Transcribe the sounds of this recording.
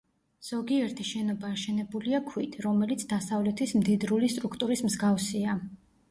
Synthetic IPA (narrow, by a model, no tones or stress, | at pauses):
z̥ɔɡiɛɾt̪ʰiʃɛnɔbaːʃɛnɛbuliakʰwit̪ʰɾɔmɛlit̪sʰd̪̥asavlɛt̪ʰismd̪id̪ɾulist̪ʼɾukʰt̪ʼuɾismzɡafsia